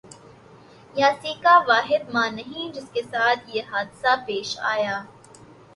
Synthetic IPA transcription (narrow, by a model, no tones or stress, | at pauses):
jaːsiːkaʋaːɦɪd̪̚mãːnɐɦĩd͡ʒɪskesaːt̪ʰjeɦaːd̪sapeːʃa̰ːjaː